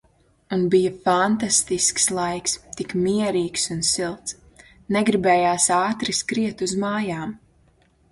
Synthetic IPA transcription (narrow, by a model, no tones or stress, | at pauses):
unbijafant̪ast̪iskslˠajkst̪ikmiɛɾiːksunsilˠt̪s | nɛɡɾibɛːjaːsaːt̪ɾiskɾiɛt̪uzmaːjaːm